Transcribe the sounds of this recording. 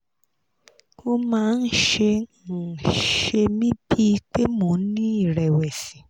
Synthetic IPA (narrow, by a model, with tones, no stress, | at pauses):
kõ˧mãː˦˧n̩˦ʃe˧˨ | ʃe˧mĩ˦bi˦˧k͡pe˦mõ˨˦nĩ˦i˦˨ɾɛ˨wɛ˨si˨˦